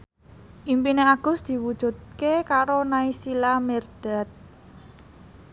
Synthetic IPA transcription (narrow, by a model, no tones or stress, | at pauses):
ʔimpineaɡ̥ʊ̤sd̪̥i̤wud̥ʒ̥ṳt̪̚kekaɾonaisilamɛrd̪̥at̪̚